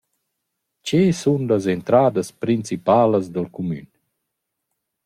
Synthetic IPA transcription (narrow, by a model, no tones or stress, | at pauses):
t͡ʃesunlazent̪ɾaːd̪əspɾint͡sipaːləzd̪əlkumy̰n